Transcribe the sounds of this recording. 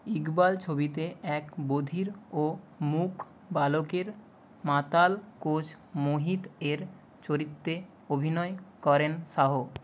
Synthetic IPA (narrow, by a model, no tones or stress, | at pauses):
iɡbalt͡ɕʰobit̪eɛkbod̪ʱiɾo | mukʰ | balokeɾ | mãt̪alkot͡ɕʰ | moɦiʈeɾ | t͡ɕoɾit̪ːe | obʱinɔekɔɾenʃaɦo